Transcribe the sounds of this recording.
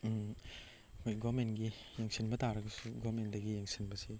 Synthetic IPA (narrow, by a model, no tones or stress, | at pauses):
kʰojɡɔmentɡi | jeŋsinbɐtʰaɾɐɡɐsuɡoɾmendɐɡijeŋsinbɐsi